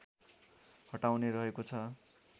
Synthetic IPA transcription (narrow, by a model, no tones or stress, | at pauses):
hʌʈawneɾʌɦekot͡sʰʌ